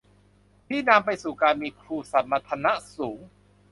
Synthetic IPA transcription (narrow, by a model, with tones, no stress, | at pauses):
t̪ʰiː˥˩na˧mpa˧jsuː˨˩kaː˧nmiː˧kʰɾuː˧˩sa˨˩nma˧t̪ʰa˧na˦˥suː˩˦ŋ